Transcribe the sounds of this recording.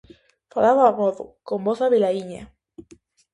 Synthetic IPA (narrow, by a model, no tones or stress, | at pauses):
falaβaaɣoðo̰komboθaβelaiɲa̰